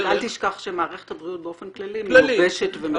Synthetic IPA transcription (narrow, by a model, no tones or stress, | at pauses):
alt̪iʃkaχʃemaːʁeχe̥t̪habʁiut̚beofenklalimbeʃetvem